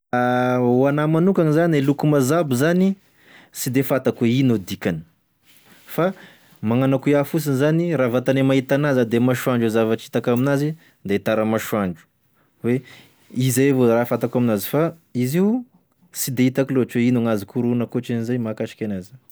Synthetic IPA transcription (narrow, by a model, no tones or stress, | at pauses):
aoanamanukaŋizanielukumazabizani | sid̪efat̪akweinod̪ikanə̥ | fa | maŋanakuiafus̬inizaniravat̪anemaɦit̪anazad̪emaʃuaɳɖ͡ʐuzavaʈ͡ʂi̥t̪akaminazi | d̪et̪aɾamaʃuaɳɖ͡ʐu̥ | we | izavoɾafat̪akaminazifa | iziu | sid̪eit̪akiloaʈ͡ʂweinaŋazikuɾunakoʈ͡ʂinizajmakaʃi̥kʲanaz